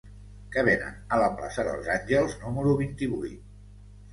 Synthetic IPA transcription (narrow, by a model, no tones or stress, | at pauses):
kəβ̞enə̰nələpla̰səðə̰lˠzanʲʒəlˠznuməɾuβ̞int̪iβujt̪